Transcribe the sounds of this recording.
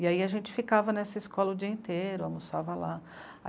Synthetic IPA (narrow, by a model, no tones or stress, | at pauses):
iaiɐʒẽnt͡ʃɪ̥fikavɐnɛsɐɪskɔlɐʊd͡ʒiɐẽt̪eɾʊamusavɐla | a̰